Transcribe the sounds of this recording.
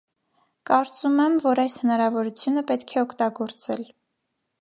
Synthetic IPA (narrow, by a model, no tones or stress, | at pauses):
kɑɾt͡sumɛmvɔɾɑjshənɑɾɑvɔɾut͡sʰjunəpɛt̪kʰɛɔkʰt̪ɑɡɔɾt͡sɛl